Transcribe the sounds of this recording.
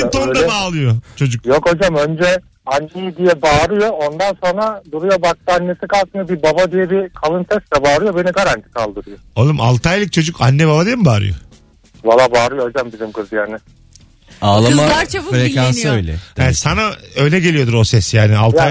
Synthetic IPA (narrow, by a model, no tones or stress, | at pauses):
it̪ond̪abaːlˠɯjot͡ʃʰo̞d͡ʒuk̚jo̞kad͡ʒamønd͡ʒɛ | anːejid̪ijɛbaːɾɯjoond̪anso̞nɾad̪uɾujo̞bak̚t̪ʰɯanːesikalˠt̪ɯmjabibabad̪ijɛbikʰalˠɯnsɛst̪lɛbaːɾɯjo̞be̞niɡaɾant̪ʰi̥kʰalˠd̪ɯɾɯjolˠumalˠt̪ʰajlˠɯc̚t͡ʃʰo̞d͡ʒukʰanːɛbabad̪ijmmbaːɾɯ̰jo̰ | valˠaːbaːɾɯjoad͡ʒambizimkʰɯzɯjaːnɪ | aːlˠamaaɾt͡ʃʰabuɾekanɯøjlʲɛ̰hɛsanaø̞jlʲɛɟe̞lʲijo̞d̪uɾo̞sɛsjaːnialˠa